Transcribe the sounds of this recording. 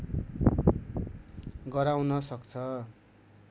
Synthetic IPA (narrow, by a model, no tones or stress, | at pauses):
ɡʌɾawnʌsʌkt͡sʰʌ